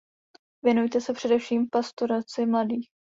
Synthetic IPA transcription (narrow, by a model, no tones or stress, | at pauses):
vjɛnujt̪ɛsɛpr̥ɛdɛfʃiːmfpast̪oɾat͡sɪmladiːx